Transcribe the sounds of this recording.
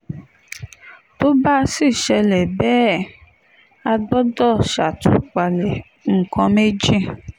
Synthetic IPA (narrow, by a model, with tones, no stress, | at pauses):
to˦ba˦si˦˨ʃɛ˧lɛ˨bɛː˦ | a˧ɡ͡bɔ˦dɔ˦˨ʃa˨tu˨˦k͡pa˨lɛ˨ | ŋ̩˨kɔ̃˧me˦d͡ʒi˦